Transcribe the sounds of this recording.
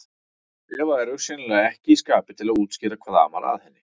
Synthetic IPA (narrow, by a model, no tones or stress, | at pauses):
ɛːvaɛɾʏ̥sjɛnlɛɣaɛhcɪiskaːpɪt̪ʰɪlaðuːt̪scɛːɾakʰvaːða̰ma̰ɾa̰ðhɛnːɪ